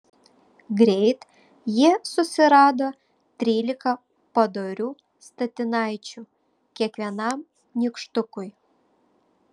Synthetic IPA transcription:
ɡɾʲɛɪt̪ | jiɛsʊsʲɪɾɑːd̪oː | t̪ʲɾʲiːlʲɪkɐ | pɐd̪oɾʲuː | st̪ɐt̪ʲɪnɑɪt͡ʃʲu | kʲiɛkʋʲiɛnɐm | nʲikʃt̪ʊkʊj

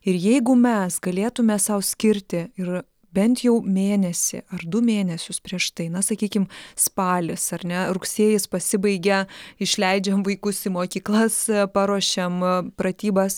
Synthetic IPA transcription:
ɪɾjɛɪɡʊmʲɛsɡɐlʲeːt̪ʊmʲɛsɐʊsʲkʲɪɾʲt̪ʲɪɪ | bʲɛnt̪jɛʊmʲeːnʲɛsʲɪ̰ʔɐrd̪ʊmʲeːnʲɛsʲʊspʲɾʲiɛʃt̪ɐɪnɐsɐkʲiːkʲɪmspɑːlʲɪsɐrʲnʲɛɾʊksʲeːjɪspɐsʲɪbɐɪɡʲɛɪʃʲlʲɛɪd͡ʒʲɛmʋɐɪkʊsɪmoːkʲiːklˠɐspɑɾuɔʃʲɛmpɾɐt̪ʲiːbɐs

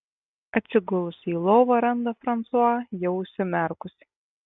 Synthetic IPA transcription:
ɐt̪ʲsʲɪɡʊlˠʊsʲiːlˠoːʋɐɾɐnd̪ɐfɾɐnt̪suɑjɛʊʊʃʲsʲɪmʲæɾkʊsʲɪ̥

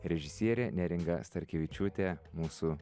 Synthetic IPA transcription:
ɾʲɛʒʲɪsʲiɛɾʲɛnʲɛɾʲɪŋɡɐst̪ɐɾʲkʲɛʋʲɪt͡ʃʲuːt̪ʲɛmuːsuː

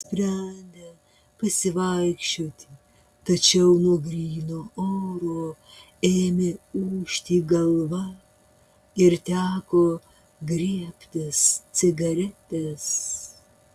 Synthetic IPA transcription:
sʲpʲɾʲɛnʲd̪ʲɛ | pɐsʲɪʋɐɪkʃʲt͡ʃʲoːt̪ʲɪ | t̪ɐt͡ʃʲɛʊnuɔɡɾʲiːnoːoːɾoː | eːmʲeuːʃʲt̪ʲiːɡɐlˠʋɐ | ɪɾt̪ʲæːkoː | ɡɾʲiɛpʲt̪ʲɛssʲɪɡɐɾʲɛt̪ʲɛs

